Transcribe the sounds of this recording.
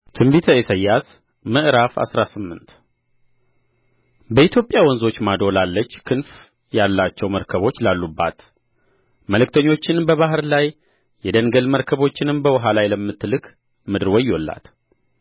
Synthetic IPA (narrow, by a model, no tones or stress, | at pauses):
t̪ʰɨmbit̪ʰəesəjːas | məʔɾafa̰sɾasɨmːɨnt̪ | bəit̪ʰjo̞pʼjawɔnzo̞t͡ʃːmad̪o̞lalːət͡ʃːkʰɨnf | jalːat͡ʃːɛwməɾkʰəβo̞t͡ʃːlalːubːa̰t̪ | məlɨk̚t̪ʰəɲːo̞t͡ʃːɪnbəβaɦɨɾlaj | jɛd̪ənɡəlməɾkʰəβo̞t͡ʃːɪnɨmbəwɔɦalajləmːɨt̪ːlɨk | mɨd̪ɨɾwɔjwolːa̰t̪